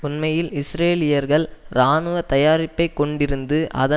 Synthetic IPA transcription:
ʊnmɐjɪlɪsɾeːlɪjɐɾɣɐɭɾaːnɯʋɐt̪ɐjaːɾɪpːɐɪkːɔɳɖɪɾɯnd̪ɯʔɐ̰ðɐ

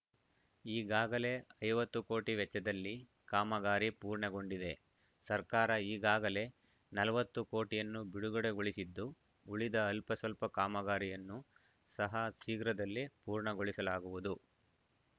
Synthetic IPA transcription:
iːɡaːɡɐle̞ɐjʋɐt̪ːuko̞ːʈiʋɛt͡ʃːɐd̪ɐlːi | kaːmɐɡaːɾipuːɾɳeɡo̞ɳɖid̪e̞ | sɐɾkaːɾɐiːɡaːɡɐle̞ | nɐlɐʋɐt̪ːuko̞ːʈijɐnːubiɽuɡɐɽeɡoɭisid̪ːu | uɭid̪ɐːlpɐsɐlpɐkaːmɐɡaːɾijɐnːu | sɐɦɐsiːɡɾɐd̪ɐlːipuːɾɳɐɡoɭisɐlaːɡuʋud̪u

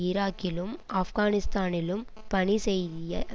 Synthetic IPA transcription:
ɪɾaːkːɪlɯmɐfɣaːnɪst̪aːnɪlɯm | pɐɳisɛjðɪjɐ

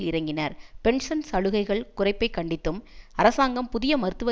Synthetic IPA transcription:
lɪɾɐŋɡɪnɐɾpɛɳsɐnsɐɻɯɣɐɪɣɐɭkʊrɐɪpːɐɪkːɐɳɖɪt̪ːɯmɐɾɐsaːŋɡɐmpʊðɪjɐmɐɾɯt̪ːɯʋɐ

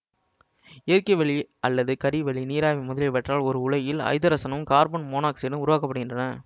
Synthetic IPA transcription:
ɪɐɾkɐɪʋɛɭiɐlːɐðɯkɐɽiʋɛɭiniːɾaːʋimʊðɐlɛʋɛʈraːlɔɾɯʊɭɐjɪlɐ̰ɪðɐɾɐsɐnɐmkaːɾbɐnmoːnaːkseːɽɯmʊɾʊʋaːkɐpːɐɽɯɣɪndrɐnɐ

